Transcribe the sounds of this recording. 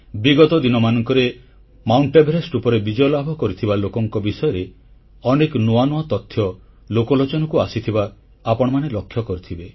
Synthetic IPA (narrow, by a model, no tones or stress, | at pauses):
biɡɔt̪ɔd̪inɔmanɔŋkɔɾe | mawɳʈebeɾesʈupɔɾebid͡ʒɔjɔlabʱɔkɔɾit̪ʰibalokɔŋkɔbisɔjɔɾe | ɔneknoanoat̪ɔt̪ʰːjɔ | lokɔlɔt͡ʃɔnɔkuasit̪ʰibaː | pɔɽ̃ɔmanelɔkʰjɔkɔɾit̪ʰibe